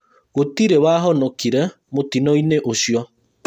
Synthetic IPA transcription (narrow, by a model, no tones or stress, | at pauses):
ɣotiɾewaɦɔnɔkiɾɛ | motinɔineʔoʃjɔ